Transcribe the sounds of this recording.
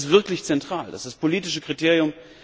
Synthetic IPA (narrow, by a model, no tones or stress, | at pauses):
stv̥ɪɐklɪçt͡sɛntʁ̥aːlda̰sd̥aspʰoliːtɪʃəkʁ̥iteːʁjʊm